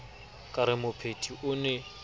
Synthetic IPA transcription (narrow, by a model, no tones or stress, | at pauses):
kʼaɾɪmʊpʰetʼiʔʊnɛ